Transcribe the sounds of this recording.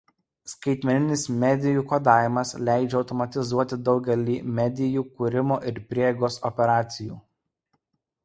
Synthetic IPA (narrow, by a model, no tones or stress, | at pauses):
skɐɪt̪ʲmʲɛnʲɪnʲɪsmʲɛd̪ʲɪjuːkod̪ɑːʋʲɪmɐslʲæˑɪd͡ʒʲɛɒʊt̪ɔmɐt̪ʲɪzuɔt̪ʲɪd̪ɒʊɡʲɛlʲiːmʲæd̪ʲɪjuːkʊɾʲɪmoːʔɪɾpʲɾʲiɛjɡoːsɔpʲɛɾɑːt̪sʲɪjṵː